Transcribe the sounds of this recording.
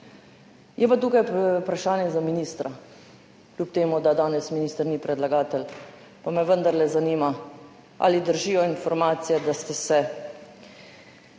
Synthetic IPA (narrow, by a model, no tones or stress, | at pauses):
jɛpat̪uːkajpɾaʃaːnjɛzaminist̪ɾa | klʲupt̪eːmud̪ad̪aːnɛsminiːst̪əɾnipɾɛd̪laɡaːt̪ɛl | pamɛʋənd̪aɾlɛzaniːma | a̰lid̪əɾʒiːjɔinfɔɾmaːt̪sijɛd̪ast̪ɛsɛ